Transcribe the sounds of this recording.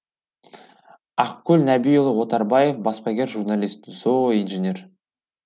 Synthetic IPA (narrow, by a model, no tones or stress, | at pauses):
ɑqkʲʰːɵlʲnæbijolˠəwo̞t̪ɑɾbɑje̞fbɑspɑɡʲe̞ɾʒurnalʲist̪̚zoʁijnʒenʲe̞r